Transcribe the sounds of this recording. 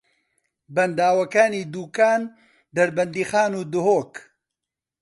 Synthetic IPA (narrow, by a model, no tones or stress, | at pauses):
bɐnd̪aːwɐkaːniːd̪uːkaːn | d̪ɐɾbɐnd̪iːxaːnuːd̪ʊɦoːk